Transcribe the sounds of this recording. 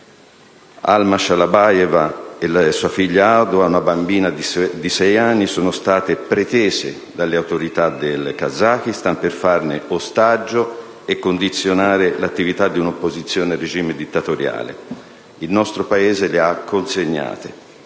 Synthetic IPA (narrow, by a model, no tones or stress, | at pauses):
a̰lmaʃalabajɛvaelasuːafiʎːaawd̪oaunabambiːnad̪d̪isɛjanːisoːnost̪aːt̪epɾet̪eːzḛ | d̪alːeawt̪oɾit̪ad̪elkazːak̟ist̪amperfarneost̪ad͡ʒːo | ekːond̪it̪sːjonaːɾelat̪ːivit̪ad̪ːiunopːozit̪sːjoːnered͡ʒiːmed̪it̪ːat̪oɾja̰ːlḛ | ilnɔst̪ɾopaeːzeleakʰːonseɲːa̰ːt̪e